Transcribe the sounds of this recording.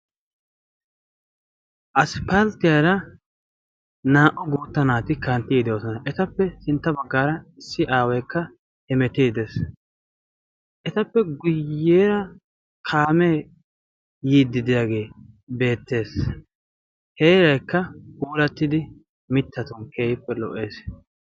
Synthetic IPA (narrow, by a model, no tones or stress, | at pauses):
ʔɐspɐlt̪ɪjɐɾɐ | naːʔɔɡuːt̪ːɐnaːt̪ɪkɐnt̪ːiːd̪joːsɔnɐʔɛt̪ɐpːɛsɪnt̪ːɐbɐɡːaːɾɐɪsːɪʔaːwɐjkːɐ | hɛmɛt̪iːd̪es | ʔɛt̪ɐpːɛɡʊjːeːɾɐ | kʰaːme | jiːd̪ːɪd̪ɪjaːɡe̞ːbe̞ːt̪ːe̞ːs | heːɾɐjkːɐɡuːlɐt̪ːɪd̪ɪ | mɪt̪ʰːɐt̪ɔnkʰeːjɪpːɛlɔ̰ʔe̞ːs